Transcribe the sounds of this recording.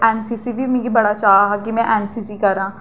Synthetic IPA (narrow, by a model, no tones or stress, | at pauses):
ɛːnsiːsiʋiːmẽɡibəɽaːt͡ʃaːɦakimɛ̃ːʔɛːnsisiːkəɾãː